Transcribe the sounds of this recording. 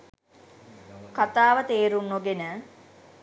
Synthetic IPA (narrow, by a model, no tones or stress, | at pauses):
kat̪aːʋət̪eːɾunːoɡenə